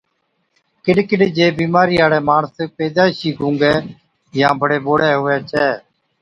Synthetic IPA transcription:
kɪɗkɪɗd͡ʒeːbiːmaːɾiːɦaːɽɛːmaːɳspeːd̪aːʃiːɡʱũːŋɡɛː | jãːbəɽeːɓoːɽɛːɦʊːɛːt͡ʃɛː

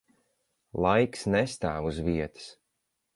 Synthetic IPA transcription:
lˠajksnɛst̪aːvuzviɛt̪ɨ̥s

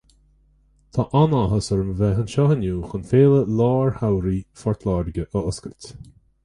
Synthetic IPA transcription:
t̪ʰaːʔanaɦəsəɹəmvɛɦənʃɔhənuːxənfeːləlɑːɹhawɾiːfɔɹt̪ʰlaːɾɪɡəʔəʊskəltʲ

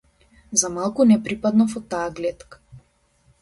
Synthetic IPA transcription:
zamalˠkunɛpɾipad̪nɔfɔt̪aːɡlɛt̪kḁ

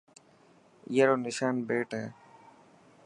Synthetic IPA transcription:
jeːɾoːnɪʃaːnbeːʈɦeː

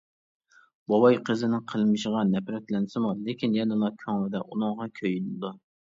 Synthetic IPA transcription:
bɑwɑjqʰəzɪnɪŋqʰəlˠmɨʃəʁɑnɛpɾɛt̪lɛnsɪmulekʲʰinjɛnɨlˠɑkʲʰɑŋwɨd̪ɛʔunɨŋʁɑkʲʰøjynd̪u

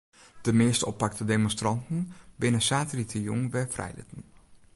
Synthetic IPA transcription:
d̥əmɪːstɔpːak̚tədemɔnstrɑntən̩bɪnəsaːtəlitʰəjuŋʋɛfrʔɛ̰jlɪ̰tən

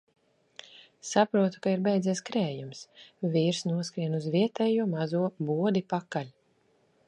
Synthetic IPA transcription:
sapɾuɔt̪u̥kaiɾbɛjd̪ziɛskɾɛːjumsviːɾsnuɔskɾiɛnuzvʲiɛt̪ɛːjuɔmazuɔbuɔd̪ipakalʲ

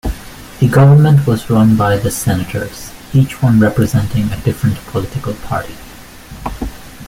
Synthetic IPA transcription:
ðɨɡʌvə˞mə̃ntwʌzɹʌ̃nbaɪðɨsɛnɨtʰə̰˞z̥it͡ʃwʌ̃nɹɛpɹɨzɛ̃ntɪ̃ŋɨdɪfɹɨ̃ntpʰəlɪɾɪkəl̩ˠpʰɑ̰ɹɾi

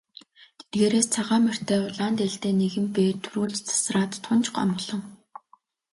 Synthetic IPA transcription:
t̪ʰet̪̚ɡeːɾeːst͡sʰaʁaːmær̥t̪eːʊɮaːnt̪eɬt̪eːneɣɘ̆mpeːt̪ʰuɾuːɮt͡ɕt͡sʰḁsraːt̪ːʰʊnt͡ɕɢɔ̰mɞ̆ɮɞ̆ŋ

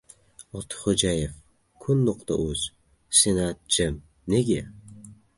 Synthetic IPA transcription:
ɒt̪ʰɨ̥χod͡ʒajef | kʰʊnːoqt̪a̰ʔɵz̥ | senat̪̚d͡ʒɪm | neɡʲe

